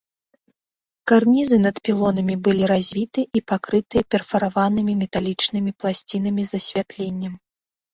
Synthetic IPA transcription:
karnʲizɨnɐt̪pʲilˠɔnɐmʲibɨlʲiɾazʲvʲit̪ɨʔipakɾɨt̪ɨjɛpʲɛrfɐɾavanɨmʲimʲɛt̪alʲit͡ʂnɨmʲiplˠasʲt͡sʲinɐmʲizɐsʲvʲat̪lʲenʲːɐm

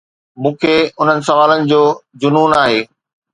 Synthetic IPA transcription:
mũːkʰeːʊn̤ənɪ̆sɐʋaːlənɪ̆d͡ʑoːd͡ʑʊnuːnaːɦeː

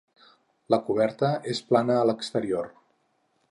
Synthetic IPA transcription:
ləkuβ̞ɛɾt̪əesplanəːləkst̪əɾior

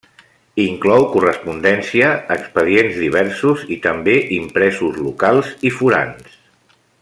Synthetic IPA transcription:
iŋklɔwkurəspund̪ɛnsiəːkspəðienzðiβɛɾsuzit̪əmbeʔimpɾɛzuzlukalˠzifuɾa̰ns

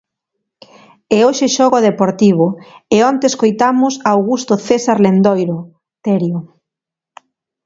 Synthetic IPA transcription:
eoʃeʃɔɣoðepoɾt̪iβ̞ʊeont̪eːskojt̪amʊsaːwɣust̪oθesaɾlend̪ojɾo | t̪eɾjo

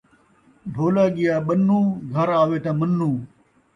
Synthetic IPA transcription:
bʱoːlaːɡɪjaːɓɐnːũːɡʱɐɾaːʋeːt̪aːmɐnːũː

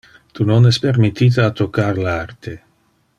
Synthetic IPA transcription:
t̪unonɛspeɾmit̪ːiːt̪aːt̪okːarlart̪e

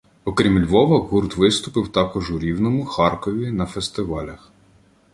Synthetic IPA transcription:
ɔkɾʲimlʲʋɔʋɐɦurt̪ʋɪst̪ʊpɪwt̪ɑkɔʒʊɾʲiwnɔmʊxɑrkɔʋʲinɐfest̪ɪʋɑlʲɐx

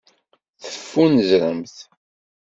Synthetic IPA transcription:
θəfːunəzɾəmθ

